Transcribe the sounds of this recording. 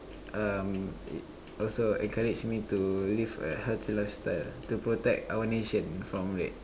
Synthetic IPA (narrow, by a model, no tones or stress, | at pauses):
ʔamḭt | ʔɔlsoɛ̰̃nkaɹid͡ʒmitulivə̰hɛltʰilajfstaɪltupɹotɛk̚tawəneʃə̃nfɹɔ̃mɹɛ̰t̚